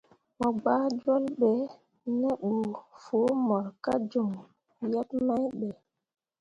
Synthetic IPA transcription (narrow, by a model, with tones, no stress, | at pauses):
mɔ˨ɡ͡baː˦d͡ʒwɔ˦lɓɛ˨ | nɛ˦ɓu˨fo˨˦mɔ˨ɾka̰˦d͡ʒo˨ŋ | ja˦pma˦jɓɛ˨